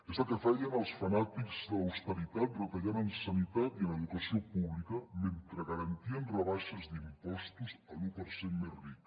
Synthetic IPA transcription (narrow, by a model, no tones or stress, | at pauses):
ezəlkəfajənəlˠsfənat̪ikzðəəwst̪əɾit̪at̪̚rət̪aʎanənsənit̪at̪iənəðukəsiopuβlikəment̪ɾəɣəɾɐnt̪iənrəβaʃəzd̪impɔst̪uzəlupəɾsemmerrik